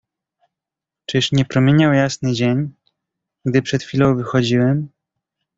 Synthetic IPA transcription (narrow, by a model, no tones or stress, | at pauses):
t͡ʂɘʂɲɛpɾɔmʲjeɲawjasnɘd͡ʑeɲ | ɡd̪ɘpʂɛt̪xʲfʲilɔ̃w̃vɘxɔd͡ʑiwɛm